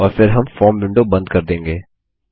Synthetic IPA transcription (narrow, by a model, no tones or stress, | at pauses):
ɔːɾfɪɾɦɐmfɔːɾmbɪ̃ɳɖobɐ̃nd̪̚kɐɾd̪ẽːŋɡeː